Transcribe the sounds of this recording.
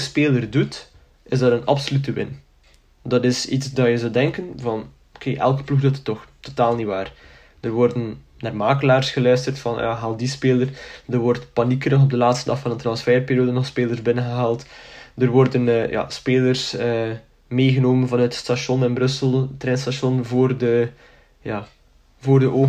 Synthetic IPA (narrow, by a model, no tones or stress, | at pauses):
speːlərdut | ɪzdɑtənɑ̰psolytəʋɪ̰n | dɑtɪsitsdɑjəzɔldɛŋkənvɑn | okʰeːʔɛ̰lˠkə̥pluxdɔtə̥tːɔxtotaːlˠniʋaːr | d̥ərʋɔrdən | naːrmaːkəlaːrsxəlœːstərtfɑn̰jaɦaːlˠdispeːlərdərʋɔrtpanikənɔxɔb̚dəlaːtstədɑxfɑndəntrɑnsfɛːrpeːɾjoːdənɔxspeːlˠərzbɪnənɣəɦaːlˠtdərʋɔrdənːja̰ːspeːlərsəː | meːɣənoːmənvɑnœətstaʃɔnɪnbrɵsəlˠtrɛnstaʃɔnvoːrdə | jaː | voːrdəʔoː